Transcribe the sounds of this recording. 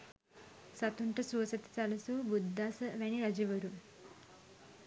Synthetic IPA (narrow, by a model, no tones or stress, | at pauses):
sɐt̪uɳʈɐsuɐsɐt̪i̥t͡sɐlɐsubud̪ʱːaːsɐʋɐniɾɐd͡ʒiʋɐɾu